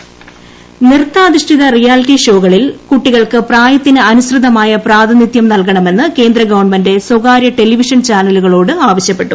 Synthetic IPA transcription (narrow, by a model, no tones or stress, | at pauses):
nirt̪ːaːðiʂʈʰiðɐrijaːlʈːiʂo̞ːɣɐɭilkuʈːiɣɐɭkɨpraːjɐt̪ːinɨɐnusrɨd̪ɐmaːjɐpraːd̪ʱɐnit̪jɐmnɐlkɐɳɐme̞nːɨke̞ːnd̪rɐɡɐʋɐɳmɐnde̞swoɣaːɾjɐʈe̞liʋiʂɐnt͡ɕaːnɐluɣɐɭo̞ːɽɨaːʋɐɕjɐpːe̞ʈːu